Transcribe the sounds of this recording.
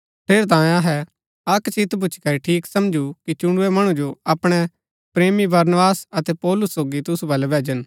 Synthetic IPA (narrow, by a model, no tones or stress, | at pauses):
pʰeːɾt̪̬ãːẽɐɦɛ | ɐkt͡ʃɪt̪ʰbʊt͡ʃʰkɐɾiʈʰiːksɐmd͡ʒukit͡ʃʊɽ̃ʊɛmɐɽ̃ũd͡ʒoɐpɽ̃ɛ | pɾeːmibɐɾnʋaːsɐt̪ɛpɔːlʊsːoːɡit̪ʊsubɐlɛbɛːd͡ʒən